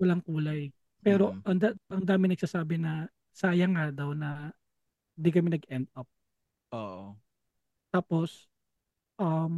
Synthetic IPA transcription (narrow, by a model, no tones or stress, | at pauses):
wɐlaŋkuːlɐj | pɛːɾoʔɐŋd̪aʔɐŋd̪aːmɪ̃ŋnɐɡsasaːbɪnɐ | saːjɐŋad̪ɐwnɐ | ɪnd̪ikɐmɛnɐɡʔɛnd̪̚ɐp̚ | ʔoʔo | t̪aːpos | ʔɐm